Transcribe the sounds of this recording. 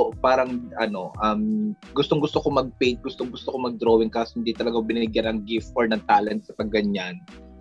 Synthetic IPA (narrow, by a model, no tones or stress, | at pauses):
paːɾɐŋʔɐno̞ʔɐm | ɡʊst̪oŋɡʊst̪okomɐɡ̚pɛjnt̪̚ɡʊst̪oŋɡʊst̪okomɐɡ̚d̪ɾoːwɪŋkaːsohɪnd̪it̪ɐlɐɡawbɪnɪɪɡjanɐŋɡɪft̪̚foɹnɐŋt̪aːlɛnt̪̚sɐpɐɡɡːɐɲːan